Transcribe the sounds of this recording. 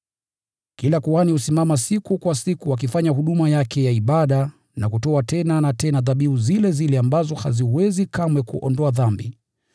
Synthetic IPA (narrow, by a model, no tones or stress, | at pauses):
kilakuwanihusimamasikukwasikuwak̬ifaɲahuɗumajakɛjaiɓaɗa | nakutɔatɛnanatɛnaðaɓiuzilɛzilɛambazɔha̰ziwɛzikamwɛkuʔɔndɔaðambi